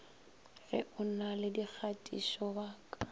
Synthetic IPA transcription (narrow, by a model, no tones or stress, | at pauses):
rɪ̰ʔʊnalɪdik͡xʰatʼḭʃɔbaːkʼa